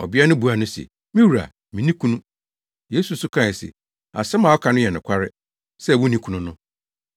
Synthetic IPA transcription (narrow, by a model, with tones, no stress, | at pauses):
ɔ̰˨bi˦a˦nʊ̃˦bu˨a˨nʊ̃˦sɛ̰˨ | mĩ˦wu˨ɾa̰˨ | mĩ˨nĩ˦kʰũ˦nũ˦ | je˦su˨sʊ˦kʰã˦˨sɪ̰˨ | a̰˨sɛ˦mã˨ɔ˦kʰa˨nʊ̃˦jɛ˨nʊ̃˨kʷʰa˦ɾɪ˦ | sɛ˦˨wʊ˦nĩ˦kʰũ˨nʊ̃˦nʊ̃˦